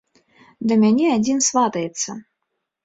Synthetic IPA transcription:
d̪ɐmʲanʲɛad͡zʲinsvat̪ɐjɛt̪sːɐ

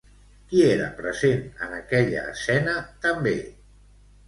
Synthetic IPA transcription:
kieɾə̰pɾəzenə̰nəkɛʎə̰ːsɛnət̪əmbe

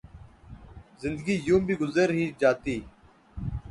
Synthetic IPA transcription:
zɪnd̪əɡiːjũːmbʱiːɡʊzəɾɦiːd͡ʒaːt̪iː

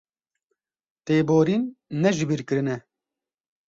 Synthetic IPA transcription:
t̪eːboːɾinːɛʒɨbiɾkɨɾɨnɛ

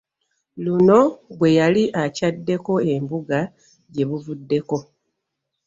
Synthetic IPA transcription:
luno̞βwe̞jaliʔacadːe̞ko̞e̞mbuɡa | ɟe̞βuvudːe̞ko̞

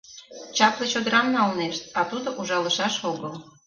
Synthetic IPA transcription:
t͡ɕɑplet͡ɕod̪əɾɑmnɑlneʃt̪̚ɑt̪ud̪oʔuʒɑləʃɑʃoɡəl

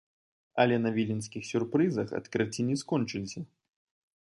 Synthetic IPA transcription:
ɐlʲɛnɐvʲilʲinskʲixsʲurpɾɨzɐxɐ̰t̪kɾɨt͡sʲinʲiskɔnt͡ʂɨlʲsʲɐ

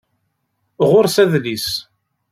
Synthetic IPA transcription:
ʁʊɾsæðlis

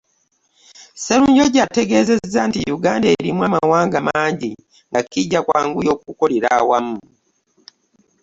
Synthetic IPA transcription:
seɾuːɲɟo̞ɟate̞ɡe̞ze̞zːantijuɡaːndaeɾimwamawaːŋɡamaːɲɟi | ŋɡakiɟakwaːŋɡujo̞kukoleɾawamu

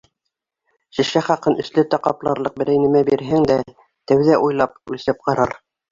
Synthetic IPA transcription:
ʃĭʃæχɑqɤnɘ̆ʃlɘt̪æqɑplˠɑɾlˠɤq̚bɘ̆ɾæjnɘ̆mæbiɾɦæŋd̪æ | t̪æwðæʔujlˠɑp̚ʉlsɘp̚qɑɾɑɾ

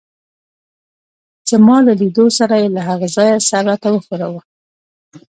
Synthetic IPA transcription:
zəmɑlalid̪osaɾajelaɦaɣazɑjasaɾat̪awəxuɾawə

